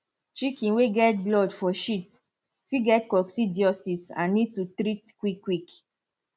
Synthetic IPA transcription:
t͡ʃikĩnweɡɛt̚blɔdfɔʃit | fiɡɛt̚kɔksidiɔsisã̰nnid̚tutɾitkwikːwik

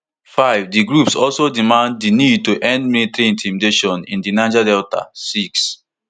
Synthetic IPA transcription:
faɪvdiɡɹupsɔlsodimãnd̚dinid̚toʔɛ̃nd̚metɹĩntʰĩmdeʃɔ̃nḭ̃ndinãd͡ʒadɛlta̰siks

